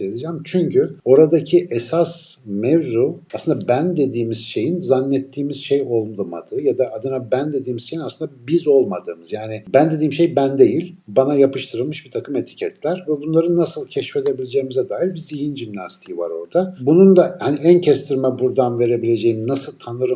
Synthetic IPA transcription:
ed̪id͡ʒɛmt͡ʃʰyɲcyo̞ɾad̪acʰiʔɛsasmɛvzuaslɯnd̪abænd̪e̞d̪iːmiz̥ʃe̞jinzanːɛt̪ʰːiːmiz̥ʃejo̞lˠmˠma̰d̪ɯjad̪aːd̪ɯnabænd̪e̞d̪iːmiz̥ʃe̞jinasˠɯnd̪abizo̞lˠmad̪ɯ̰ːmɯzjaːnɪbænd̪e̞d̪iːimʃe̞jbænd̪e̞jilʲbanajapɯʃt̪ʰɯɾɯlˠmɯʃbit̪ʰakʰɯme̞t̪ʰi̥cʰɛt̪ʰlʲæɾvɛbunlˠaɾɯnːasɯlˠcʰɛʃfed̪e̞bilʲe̞d͡ʒe̞jimizɛd̪aːɦilbiziɦinʒimnast̪ʰijiva̰ɾo̞ɾd̪abunund̪ahaniæncʰɛst̪ʰiɾmɛbuɾd̪anve̞ɾe̞bilʲe̞d͡ʒe̞jimnasɯlˠt̪ʰanɯɾɯ

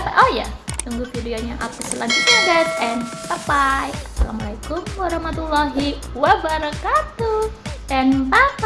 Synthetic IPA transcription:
paʔoja̰t̪uŋɡufideoɲaʔakusəlandikadat̪̚ɛnpapajsalamalajkʊmwaɾɑhmat̪ulːaɦi | wabaɾakat̪uɛnpap

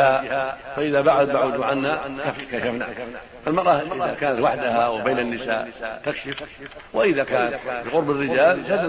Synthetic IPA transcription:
afaʔɪðabaʕʊd̪̚baʕuːd̪ʕanːakafkaʃafna̰ | falmɑɾˤɑːhɪbʔɪðakaːnat̪waħd̪ahawɪbeːnanːɪsa̰ːʔt̪akʃɪfwɪʔɪðakaːnat̪fiɣʊɾˤbarːɪd͡ʒaːlʃad̪

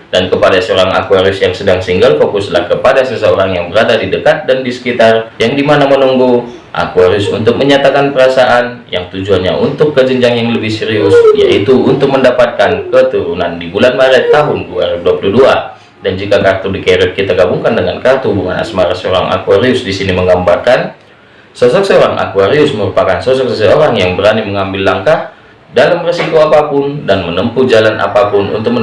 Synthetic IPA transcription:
dankəpadasəoɾaŋa̰kuaɾiʊsjaŋsədaŋsiŋɡalfokʊsla̰hkəpadasəsəoɾaŋjaŋbəɾadadidəkat̪̚dandisə̥kit̪arjaŋdimanamənuŋɡu | ʔa̰kuaɾiʊsunt̪ʊk̚məɲat̪akanpəɾasaʔanjaŋt̪ud͡ʒuanɲa̰ʔunt̪ʊkːəd͡ʒəɲd͡ʒaŋjaŋləbɪhsiɾiʊsja̰ʔit̪uːnt̪ʊk̚məndapat̪̚kankət̪uɾunandibulanmaɾɛt̪ːaɦʊnduaɾiduapuludua | dand͡ʒikakart̪ɔdikeɾɛt̪̚kit̪aɡabuŋkandəŋankart̪ɔhubuŋa̰na̰smaɾasəoɾaŋa̰kuaɾiʊsdisiniməŋɡambarkan | sɔsɔk̚səoɾaŋʔa̰kuaɾiʊsməɾupakansɔsɔksəsəoɾaŋjaŋbəɾaniməŋambɪlːaŋkah | dalamresikoapapʊndanmənəmpud͡ʒalana̰papʊnṵnt̪ʊk̚m

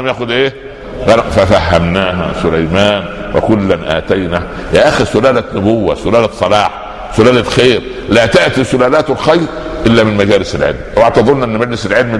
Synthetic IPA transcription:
æmjæːxʊd̪ʔeː | ɣæfæfæhːæmnaːɦæ̰sʊlæjmæːnwḛkʊlːænʔæ̰ːt̪æjnæh | jæʔæxiɾsʊlæːlænʊbowːæ̰sʊlæːlætsˤɑlɑːħ | sʊlæːlælxeːɾ | læːt̪aʔt̪isʊlæːlæːt̪elxɑjɾʔɪlːæmɪnmæd͡ʒæːlɪselʕḛlmwaʕt̪ɑðˤɾnʔenːmæd͡ʒlɪselʕelm

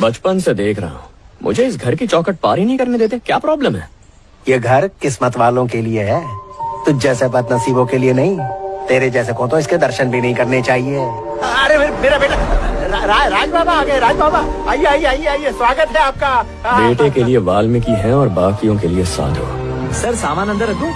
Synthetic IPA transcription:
bɐt͡ʃpənsed̪eːkʰɾɐ̰ɦaɦmʔʊ̰d͡ʒʱeɪs̬ɡʱɐɾkit͡ʃɔːkəʈ̚paːɾinɐɦĩkɐɾned̪eːt̪̬ekjaːpɾɔːbləmɦɛ̰ː | jeːɡʱɐɾkɪsmət̪ʋaːlõkelieɦɛːt̪ud͡ʒɛːsebɐt̪nɐsiːbõkelienɐɦĩt̪eːɾed͡ʒɛːs̬ekõːt̪̬õɪsked̪ɐɾʃənbʱinɐɦĩkɐɾnet͡ʃaːɦieː | ɐɾeemeːɾabeːʈaɾaɾaːɾaːd͡ʒbaːbaaːɡɐɛɾaːd͡ʒbaːbaaːiaːiaːiaːiɛswaːɡət̪ɦɛaːp̚ka | beːʈekelieʋaːlmɪ̃kiɦɛɔːɾbaːkijõkeliesã̰ːd̪ʱo̰ːsɐɾsaːmaːnɐ̃nd̪əɾɐkuː

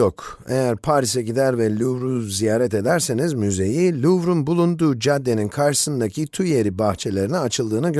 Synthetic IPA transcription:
ok | e̞jæɾpʰaːɾis̬ɛɟid̪æɾvɛlʲuvɾuzijaːɾɛt̪e̞d̪æɾse̞nizmyze̞jilʲuvɾunbulˠund̪uːd͡ʒad̪ːe̞ninkʰaɾʃɯ̥sɯnd̪acʰit̪ʰuje̞ɾibaxt͡ʃʰe̞lʲe̞ɾinɛat͡ʃʰɯlˠd̪ɯːnɯɡ

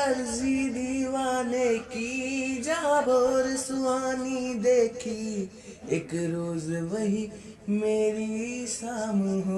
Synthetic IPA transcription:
ɐɾzid̪iʋaːnekid͡ʒãːboɾɪsʊʋaːnid̪eːkʰiː | ɪkɾoːzʋɐɦi | meːɾisaːmuɦ

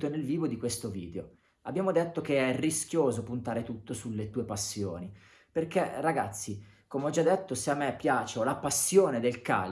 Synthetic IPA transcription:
t̪onelviːvod̪ikwest̪ovḭːd̪eo | abːjaːmod̪et̪ːokeɛrːisk̟joːzopunt̪aːɾet̪ut̪ːosulːet̪uːepasːjoːni | perkeraɡa̰t̪sːikomeɔd͡ʒad̪ːet̪ːoseamːepːjaːt͡ʃeɔlapasːjoːned̪elka̰ː

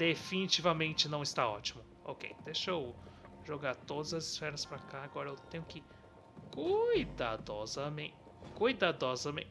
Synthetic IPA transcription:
d̪̥efinit͡ʃivɐmẽnt͡ʃɪnɐ̃w̃ɪst̪aɔ̰t͡ʃimʊ | okḛjd̪eʃow | ʒoɡaɾt̪od̪ɐzɐzɪsfɛɾɐspɾɐkaːɡɔɾɐewt̪ẽjʊkɪ | kujd̪ad̪ɔzɐmẽ | kujd̪ad̪ɔzɐmḛ̃t͡ʃ

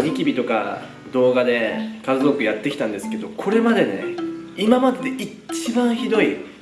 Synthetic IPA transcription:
ɲʲikʲibʲit̪o̞ka̰ | d̪o̞ːɡad̪e̞kazɨzo̞kɯ̟jat̪ːe̞kʲi̥t̪ãnd̪e̞sɨ̥ke̞d̪o̞kʰo̞ɾe̞mad̪e̞ne̞̰imamad̪e̞d̪ei | t͡ɕibãɰ̃çid̪o̞i

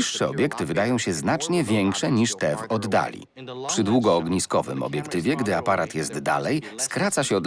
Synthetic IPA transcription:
iʂːɛɔbʲjɛkt̪ɘvɘd̪ajɔ̃w̃ɕɛznat͡ʂɲɛvʲjɛŋkʂɛɲiʂt̪ɛvɔd̪ːa̰lʲḭ | pʂɘd̪wuɡɔːɡɲiskɔvɘ̰mɔ̰bʲjɛkt̪ɘvʲjɛɡd̪ɘapaɾat̪jɛzt̪ːa̰lɛj | skɾat̪saɕɛɔd̪

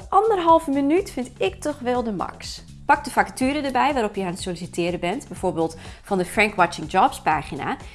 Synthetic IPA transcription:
ʔɑndərɦɑlˠvəmənytfɪntɪktɔχʋɛlˠdəmɑ̰ks | pɑk̚dəfakatyːɾədəbɛjʋaːɾɔpjəaːnsolisitɪːɾəbɛntbɛjv̥oːɹbeːlˠtfɑndəfrɛŋkʋɑt͡ʃɪŋd͡ʒɔpspaːχina̰

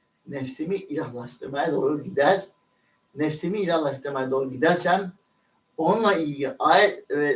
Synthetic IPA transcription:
nɛfsimiʔilʲaɦlˠaʃt̪ʰɯɾmajad̪o̞ːɾuɟid̪æɾ̥ | nɛfsimiːlʲahlˠaʃt̪ʰɯɾmajad̪o̞ːɾuɟid̪æɾsæn | onunlˠaijɟiʔaːjɛt̪vɛ

